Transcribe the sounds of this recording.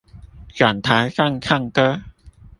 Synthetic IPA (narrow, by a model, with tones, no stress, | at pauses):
ka˨˩nt̪ʰa˨˥jkʰaː˥˩˨ŋkʰa˥˩˨ŋkə˦˥